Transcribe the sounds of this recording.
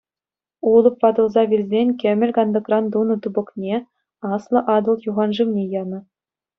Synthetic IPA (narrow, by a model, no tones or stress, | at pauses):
ulˠɤ̆pʋɑd̪ɤ̆lˠzɑvʲilʲzʲenʲkʲɘ̆mʲɘ̆lʲkɑnd̪ɤ̆krɑnd̪unɤ̆t̪ubɤ̆knʲe | ɑslˠɤ̆ʔɑd̪ɤ̆lˠjuʁɑnʐɯʋnʲejɑnɤ̆